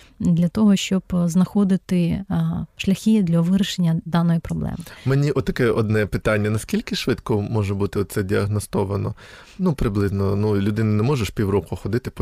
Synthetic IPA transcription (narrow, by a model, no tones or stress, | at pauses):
d̪lʲɐt̪ɔɦɔʃt͡ʃɔbznɐxɔd̪ɪt̪ɪ | ʃlʲɐxʲid̪lʲɐʋɪɾʲɪʃenʲːɐd̪ɑnɔjipɾɔblˠɛ̰mɪmenʲiʔɔt̪t̪ːɐkɛɔd̪nɛpɪt̪ɑnʲːɐnɐskʲilʲkɪʃʋɪt̪kɔmɔʒɛbut̪ɪɔt̪sɛdʲiɐɦnɔst̪ɔʋɐnɔ | nupɾɪblˠɪznɔnulʲʊd̪ɪnɐnɛmɔʒʊʃpʲiwrɔkʊxɔd̪ɪt̪ɪp